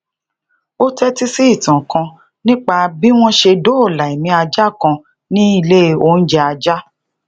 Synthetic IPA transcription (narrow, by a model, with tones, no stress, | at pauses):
o˦tɛ˦ti˦si˦i˦˨tã˨kã˧ | nĩ˦k͡pa˧bi˦w̃ɔ̃˦ʃe˧do˦o˦˨la˨i˨mĩ˧˦a˧d͡ʒa˦˨kã˧ | nĩ˦i˦˧le˦˧o˧˨n̩˦d͡ʒɛ˦a˧d͡ʒa˦